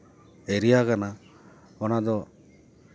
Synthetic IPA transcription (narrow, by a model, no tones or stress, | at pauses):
eɾijakana | ɔnad̪ɔ